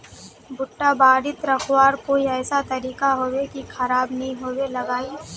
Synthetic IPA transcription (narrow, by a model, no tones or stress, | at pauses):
bʊʈːabaːɽɪt̪ɾɐkʰwaːɾkoːiɛːsat̪ɐɾiːkaɦoːwekikʰɐɾaːbnɐɦĩɦoːwelɐɡaːi